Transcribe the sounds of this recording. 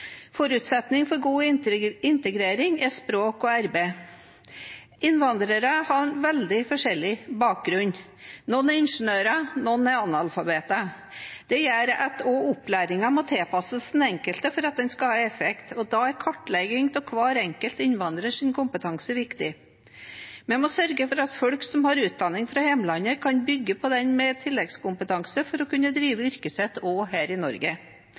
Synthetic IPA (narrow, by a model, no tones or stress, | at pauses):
fɔɾʉt̪sɛt̪nɪŋfɔɾɡuːɪnt̪əɡɾeːɾɪŋæɾʂpɾoːkɔæɾbeː | ɪnʋɑnd̪ɾəɾəhɑɾnʋɛld̪ɪfɔʂɛlːɪbɑːk̚ɡɾʉɲː | nɔnːæɾɪnʂənøːɾənɔnːɛɾɑnːɑlfɑbeːt̪ə | d̪̥ɛjæːɾɑt̪oːʊplæːɾɪŋɑmɔt̪ʰɛːpʰɑsəsd̪n̩ɛŋkəlt̪əfɔɾɑt̪̚d̪ɛnskɑhɑːɛfɛkt̪ɔd̪ɑːæɾkʰɔʈːlɛɡɪŋt̪ʰɔkʰʋɑːɾɛŋkəlt̪ɪnʋɑnd̪ɾəʂɪnkʰʊmpət̪ʰɑŋsəʋɪkt̪ɪ | mɛmɔsœɾɡəfɔɾɑt̪fɔɽksɔmhɑɾʉːt̪̚d̪ɑnːɪŋfɾɑhɛmlɑnəkʰɑnbʏɡːəpʰɔd̪ɛnmɛt̪ʰɪlːɛɡskʊmpət̪ʰɑŋsəfɔɾɔkʉnːəd̪ɾiːʋəʏɾkəsɛt̪ːoːɦæːɾɪnɔɾɡə